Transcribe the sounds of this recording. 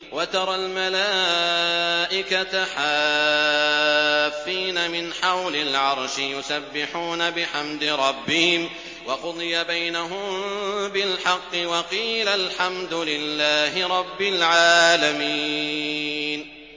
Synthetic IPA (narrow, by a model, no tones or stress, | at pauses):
wat̪ɑɾˤɑlmalaː | ʔɪkat̪aħaː | fːiːnamɪnħawlɪlʕɑɾˤʃɪjʊsabːɪħuːnabɪħamd̪ɪɾˤɑbːɪhɪm | wɑqʊd̪ˤɨjabajnaɦʊmbɪlħɑqːɨwɑqiːlalħamd̪ʊlɪlːaːɦɪɾˤɑbːɪlʕaːlami | n